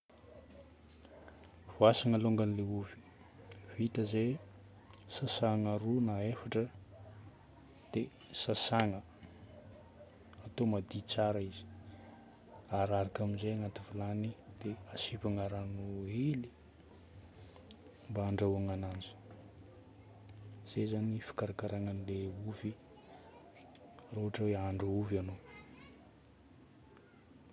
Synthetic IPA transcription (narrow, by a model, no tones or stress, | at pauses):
v̥oasaŋəloŋɡanileuvi̥ | v̥it̪əze | sasaŋaɾunaefaʈ͡ʂə | d̪̥e | sasaŋə | at̪omad̪it͡saɾəizi̥ | aɾaɾakaminzeaŋat̪ivilanid̪̥easipaŋaɾanueli | mbaːɳɖ͡ʐaaŋanand͡ʒə̥ | z̥ezanifi̥kaɾakaɾaŋanileuvi | roɦaʈ͡ʂəweaɳɖ͡ʐauvano